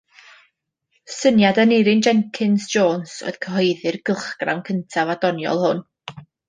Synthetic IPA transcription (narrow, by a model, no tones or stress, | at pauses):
sənjadənɪɾɪnd͡ʒɛŋkʰɪnsd͡ʒoːnsɔ̰ð̥kʰəɦɔjðɨrɡəlˠχɡ̥ra̰wnkʰəntʰavadɔnjɔ̰lˠhʊn